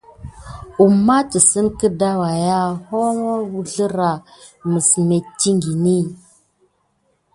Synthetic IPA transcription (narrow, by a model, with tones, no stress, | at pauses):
u˨mːa˦tə˨sə˦nkə˦da˦wa˨ja˦ho˦ma˦wu˦ɮə˦ɾa˨ | mə˨sme˨ti˦ŋɡi˨ni˦